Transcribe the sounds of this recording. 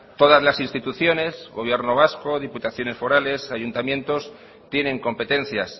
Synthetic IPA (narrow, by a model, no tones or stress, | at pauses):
t̪o̞ðazlasinst̪it̪uθjo̞ne̞zɣo̞βje̞ɾno̞β̞asko̞ðiput̪aθjo̞ne̞sfo̞ɾale̞saʝunt̪amjẽ̞nt̪o̞s | t̪je̞nẽ̞ŋko̞mpe̞t̪ẽ̞n̟θjas